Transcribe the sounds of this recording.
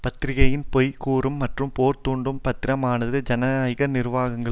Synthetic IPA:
pɐt̪ːɪɾɪɣɐjɪnpɔjkuːrɯmːɐʈrɯmpoːɾt̪uːɳɖɯmpɐt̪ːɪɾɐmaːnɐðɯd͡ʒɐnɐɐjɣɐnɪɾʋaːɣɐŋɡɐ

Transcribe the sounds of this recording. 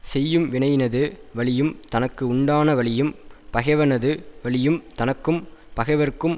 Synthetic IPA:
sɛjːɯmʋɪɳɐɪjnɐðɯʋɐɭɪjɯmt̪ɐnɐkːɯʊɳɖaːnɐʋɐɭɪjɯmpɐɣɛʋɐnɐðɯʋɐɭɪjɯmt̪ɐnɐkːɯmpɐɣɐʋɐɾkːɯm

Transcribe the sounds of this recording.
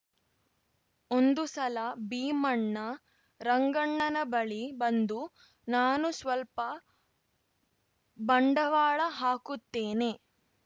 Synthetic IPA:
ond̪usɐlɐbiːmɐɳːɐ | ɾɐŋɡɐɳːɐnɐbɐɭibɐnd̪u | naːnusʋɐlpɐ | bɐɳɖɐʋaːɭɐɦaːkut̪ːeːne

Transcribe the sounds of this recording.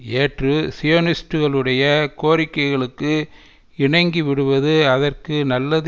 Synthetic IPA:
eːʈrɯsɪjonɪsʈɯɣɐɭɯɽɐjɐkoːɾɪkːɐɪɣɐɭɯkːɯ | ɪɳɐŋɡiʋɪɽɯʋɐðɯɐðɐrkɯnɐlːɐð

